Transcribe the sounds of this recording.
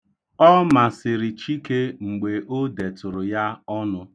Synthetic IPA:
ɔ˦ma˨sɪ˨ɾi˨t͡ʃi˦ke˦ŋ͡m̩˨ɡ͡be˨ʔo˦de˨tʊ˨ɾʊ˨ja˦ɔ˦nʊ˦

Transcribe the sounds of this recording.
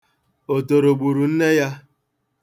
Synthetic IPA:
o˨to˨ɾo˨ɡ͡bu˨ɾu˨n̩˦ne˦ja˦

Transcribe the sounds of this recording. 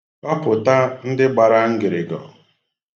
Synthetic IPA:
ɔ˦pʊ˨ta˦n̩˦dɪ˦ɡ͡ba˨ɾa˦ŋ̩˦ɡɪ˨ɾɪ˨ɡɔ̰˨

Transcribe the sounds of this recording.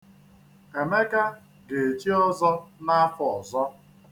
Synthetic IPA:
e˨me˦ka˦ | ɡe˨e˨t͡ʃi˦ɔ˦zɔ˦na˦fɔ˨ɔ˨zɔ˦

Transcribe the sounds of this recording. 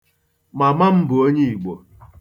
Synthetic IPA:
ma˨ma˦m̩˦bʊ˨o˦ɲe˦i˨ɡ͡bo˨

